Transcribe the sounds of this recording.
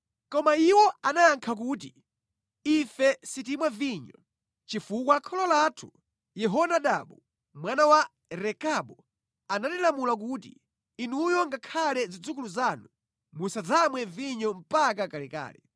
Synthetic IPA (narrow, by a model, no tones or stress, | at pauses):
kɔmaiwɔanaaŋkʰak̬uːt̬i | ifɛsit̬imwaviɲɔ̰ | t͡ʃifukwakʰɔlɔlatʰu | jɛɦɔnaɗaɓu | mwanawa | ɾɛkaɓu | anatilamulak̬ut̬ḭ | inujɔŋɡakʰalɛzid͡zuk̬uluzanu | musad͡zamwɛviɲɔm̩pak̬akalɛka̰ːlɛ